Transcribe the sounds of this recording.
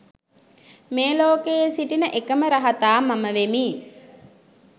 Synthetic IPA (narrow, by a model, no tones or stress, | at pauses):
meːloːkejesiʈinəʔekəməɾaɦat̪aːmaməʋemiː